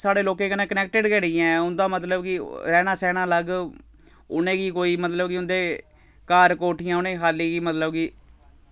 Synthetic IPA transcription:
saːɽeːloːkẽːkənẽːkənɛːk̚ʈəɖkɛːɽɪːãːʊnd̪ãːmət̪ləbkɪɾɛːnaːsɛːnãːləɡ | ʊ̰nẽːkiːkoːiːmət̪ləbkɪʊnd̪eː | kaːɾkoːʈʰɪjãːʊnẽːɦaːliːkiːmət̪ləbki

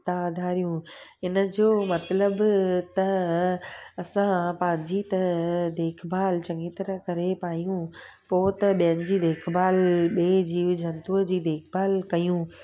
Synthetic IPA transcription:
t̪ad̪ʱaːɾijũɦɪnə̆d͡ʑoːmɐt̪ləbt̪ɐ | ɐsãpɐ̃ɪ̃ɲd͡ʑit̪ɐd̪eːkʰbʱaːlt͡ɕɐ̃ŋɡit̪ɐɾəɦkɐɾepaːijũpoːt̪ɐɓijənɪ̆d͡ʑiːd̪eːkʰbaːlɓeːd͡ʑiːʋd͡ʑʱɐ̃nt̪uːəd͡ʑiːd̪eːkʰbaːlkɐjũ

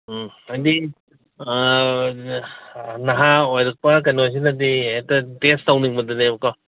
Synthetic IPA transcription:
ɐjdi | nɐɦaojɾɐk̚pɐk̬ɐnojs̬inɐditɐtestawniŋbɐdɯnekɔ

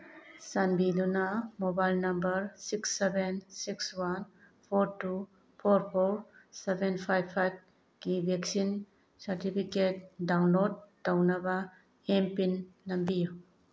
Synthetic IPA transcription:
sanbidunɐmobajlnɐmbɐɾsiksːebensikswan | pʰoɾtu | pʰoɾpʰoɾsebenpʰajbʰajb̚ | kibʱeksin | sɐɾtipʰiket̚dawnlod̚ːawnɐbɐ | empinːɐmbiju

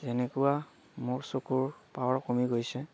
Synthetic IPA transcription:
zɛnɛkuwa | mʊɹsokuɹpawaɹkomiɡojsɛ

